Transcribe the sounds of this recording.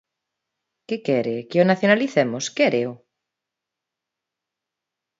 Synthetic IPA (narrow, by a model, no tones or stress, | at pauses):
kɪkɛɾekɪonaθjonaliθɛmʊskɛɾeo